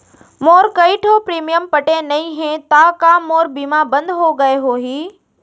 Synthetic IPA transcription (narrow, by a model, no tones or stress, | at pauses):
moːɾkɐiʈʰoːpɾiːmijəmpɐʈenɐĩɦẽt̪aːkamoːɾbiːmabɐ̃nd̪ɦoɡɐeɦoːɦiː